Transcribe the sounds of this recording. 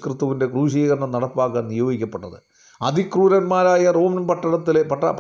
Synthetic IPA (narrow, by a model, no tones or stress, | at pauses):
krɨt̪ːɐʋinde̞kruːɕ̬iːɣɐɾɐɳɐmnɐɽɐpːaːkːaːnnijo̞ːɡikʲːɐpːe̞ʈːɐðɨ̰ | ɐd̪ʱikruːɾɐnmaːɾaːjɐro̞ːmɐnmpɐʈːɐɽɐt̪ːilepɐʈːɐp